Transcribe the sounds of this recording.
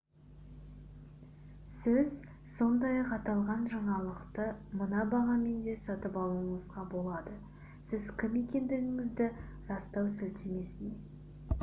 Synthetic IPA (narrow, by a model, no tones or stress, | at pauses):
sɪz | so̞nd̪ɑjɑqɑt̪ɑlˠʁɑnʒɑɴɑlˠəqt̪əmənɑbɑʁɑme̞nd̪e̞sɑt̪əpɑlˠuəɴəzʁɑbo̞lˠɑd̪ə | sɪzkʲʰɪme̞kʲe̞nd̪ɪɡɪŋɪzd̪ɪɾɑst̪ɑwsɪlt̪ʰeme̞sɪne